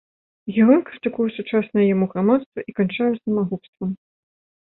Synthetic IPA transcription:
jʲɛɦɔjkɾɨt̪ɨkujɛsut͡ʂasnɐjɛjamuɣɾamat̪st̪vɐʔikant͡ʂajɛsɐmaɣupst̪vɐm

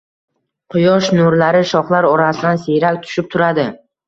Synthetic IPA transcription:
qʰʊjɒʃnʊɾlaɾɪʃɒχlˠaɾɒɾasɪd̪anseɾakʲt̪ʰʊ̥ʃɪp̚t̪ʰʊɾad̪ɪ

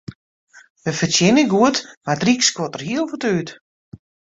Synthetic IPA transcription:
ʋəfətjɪnəɡuətmardrikskwotərhiəlˠfutyːt

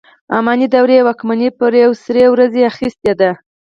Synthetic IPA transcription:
a̰mɑnid̪awɾewɑkmanepəɾjawsɾewɾazeaxist̪ed̪a

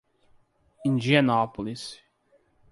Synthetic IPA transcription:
ĩnd͡ʒianɔpolis

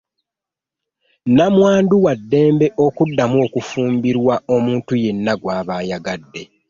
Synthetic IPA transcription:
namwaːnduwadːe̞ːmbe̞ʔo̞kudːamuo̞ːkufuːmbiɾwao̞muːntuje̞nːaɡwaːβaːjaɡadːe̞

